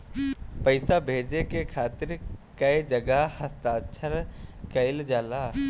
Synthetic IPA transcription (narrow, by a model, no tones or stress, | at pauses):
pəɪsabʱeːd͡ʒekekʰaːt̪ɪɾkɐed͡ʒɐɡəɦhɐst̪aːt͡ʃʰəɾkɐɪld͡ʒaːlaː